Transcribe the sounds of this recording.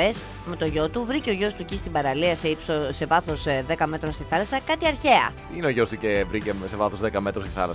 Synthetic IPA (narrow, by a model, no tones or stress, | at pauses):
es | me̞t̪o̞ʝo̞t̪uvɾiceo̞ʝo̞st̪ucist̪ibɐɾɐliɐseipsose̞vɐθo̞sðe̞kɐme̞t̪ɾonst̪iθɐlɐsɐkɐt̪iɐɾçe̞ɐ̰ | ineoʝo̞st̪ucevɾicesevɐθozðekɐme̞t̪ɾost̪i̥θɐ̰lɐ